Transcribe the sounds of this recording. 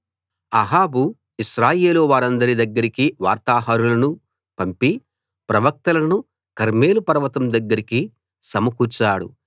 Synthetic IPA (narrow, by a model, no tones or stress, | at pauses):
ɐɦaːbu | iʃɾaːje̞ːloːʋaːɾɐnd̪ɐɾid̪ɐɡːɐɾikiʋaːɾt̪aːɦɐɾulɐnu | pɐmpi | pɾɐʋɐk̚t̪ɐlɐnu | kɐɾme̞ːlupɐɾɐʋɐt̪ɐmd̪ɐɡːɐɾiki | sɐmɐkut͡ʃːaːɽṵ